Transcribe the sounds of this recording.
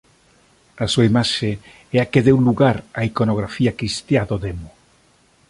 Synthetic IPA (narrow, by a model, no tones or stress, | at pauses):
asuaimaʃe | ɛakeðewluɣaɾaikonoɣ̞ɾafiakɾist̪jaðoðemo